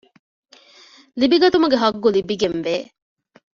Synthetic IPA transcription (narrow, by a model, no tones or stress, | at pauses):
libiɡɐt̪umuɡeɦɐɡːulibiɡenʋeː